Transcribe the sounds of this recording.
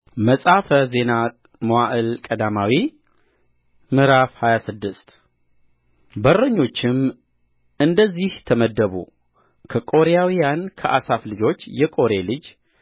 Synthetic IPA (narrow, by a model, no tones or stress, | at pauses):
məsʼafəze̞na | mowaʔɨlkʼəd̪amawi | mɨɾafhajasɨd̪ːɨst̪ | bəɾəɲːo̞t͡ʃːɪm | ɨnd̪əzːiht̪ʰəməd̪ːəβṵ | kʰəkʼo̞ɾejawijankʰəʔasaflɨd͡ʒo̞t͡ʃːjɛkʼo̞ɾe̞lɨd͡ʒ